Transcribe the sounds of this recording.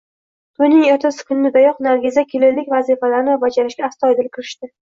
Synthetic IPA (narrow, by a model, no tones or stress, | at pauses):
t̪ʰʊjnɪŋeɾt̪ʰasɪ̥kʲʰʊnnɪd̪ajɒqnaɾɡʲɪzakʲʰelelːɪkʲvazifalaɾɪnɪvabad͡ʒaɾɪʃɡʲaːst̪ɒjd̪ɪlkʲʰɪɾɪʃt̪ɪ